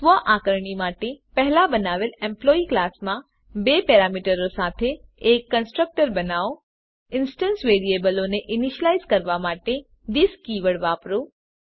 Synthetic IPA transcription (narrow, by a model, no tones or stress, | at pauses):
t̪ʋəʔakəɾɳimaːʈepɛɦlabənaːʋelẽmploːiklaːsmã | bepeːɾaːmiʈəɾosaːt̪ʰeːkːənsʈɾək̚ʈəɾbənaːo | ɪnsʈənsʋeːɾiebəloneʔɪniʃəlaizkəɾʋamaːʈe | d̪ɪskiːʋəɽʋaːpɾo